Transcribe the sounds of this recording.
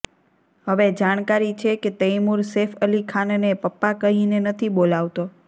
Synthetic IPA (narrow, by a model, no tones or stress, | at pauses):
ɦəʋed͡ʒaɽ̃kaɾit͡ʃʰeket̪əjmuɾsefəlikʰannepəpːakəɦinenət̪ʰibolaʋt̪o